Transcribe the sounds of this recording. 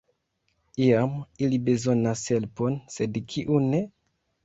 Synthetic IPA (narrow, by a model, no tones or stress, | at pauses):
iamilibe̞zo̞nashe̞lpo̞nse̞dkʰiʔune